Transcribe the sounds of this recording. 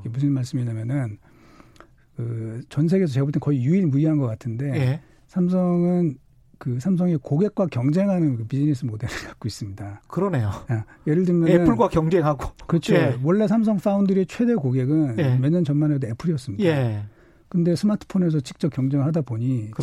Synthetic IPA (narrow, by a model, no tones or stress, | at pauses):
kemus̬ʰɯnmaɭs͈ɯmiɲamjʌnɯn | kɯt͡ɕʌns̬ʰe̞ɡe̞sʰʌt͡ɕeɡboɭtʰenkʌijuiɭmuiɦanɡʌk͈atʰɯnde̞e | sʰams̬ʰʌŋɯn | kɯsʰams̬ʰʌŋekoɡe̞k̚k͈wakjʌŋd͡ʑe̞ŋɦanɯnkɯpid͡ʑinisʰɯmode̞ɾɯkat̚k͈ois͈ɯmɲidakɯɾʌne̞joaje̞ɾɯɭdɯmjʌneɯnpʰɯɭɡwakjʌŋd͡ʑe̞ŋɦaɡokɯɾʌt͡ɕʰowʌɭːe̞sʰams̬ʰʌŋf͈ʰaundɯɾet͡ɕʰwe̞de̞koɡe̞ɡɯnjemeɲʌnt͡ɕʌnmanedoe̞pʰɯɾijʌs͈ɯmɲidae | kɯnde̞sʰɯmatʰɯ̥pʰone̞s̬ʰʌt͡ɕi̥k̚t͡ɕ͈ʌp̚kjʌŋd͡ʑe̞ŋɭɦadaboɲi